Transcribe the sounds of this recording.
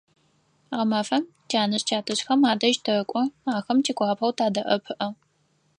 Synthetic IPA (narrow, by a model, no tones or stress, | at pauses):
ʁɐmɐfɐm | t͡ʃʰaːnɨɕt͡ʃʰaːtʰɨɕxɐmaːdɐʒtʰɨkʷʼɔaːxɐmt͡ʃʰiːkʷʰʼɑːpʰɐwtʰaːdɐʔɐpʰɨʔɐ